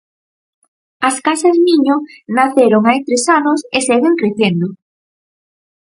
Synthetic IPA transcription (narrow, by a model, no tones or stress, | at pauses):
ɐskasɐzmĩɲonaθeɾoŋajt̪ɾesanoseseɣeŋkɾeθend̪o